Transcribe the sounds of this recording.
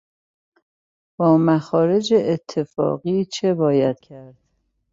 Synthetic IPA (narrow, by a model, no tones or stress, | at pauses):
b̥ɒːmæxɒːɾe̞d͡ʒeʔːt̪ʰːe̞fɒ̰ːɣiːt͡ʃʰe̞bɒːjæd̪̥̚cʰæɾd̪̥